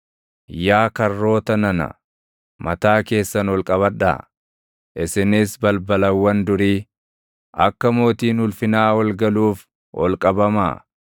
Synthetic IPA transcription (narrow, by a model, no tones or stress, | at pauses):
jaːkɐrːo̞ːt̪ɐnɐnɐ̰ | mɐt̪aːke̞ːsːɐnɔlkʼɐβɐᶑːa̰ː | ʔɪsɪnɪsbɐlbɐlɐwːɐnd̪ʊɾiː | ʔɐkːɐmo̞ːt̪iːnʊlfɪnaːwɐlɡɐluːf | wʔɔ̰lkʼɐbɐma̰ː